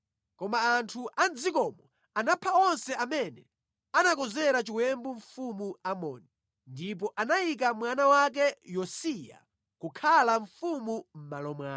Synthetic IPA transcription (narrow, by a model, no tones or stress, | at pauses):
kɔmaːntʰuʔand͡zikɔmɔ | anapʰaɔnsɛamɛnɛ | anakɔzɛɾat͡ʃiwɛmbuɱfumuamɔni | ndip̬ɔʔanajik̬amwanawak̬ɛjɔsija̰ | kukʰalaɱfumum̩malɔmwa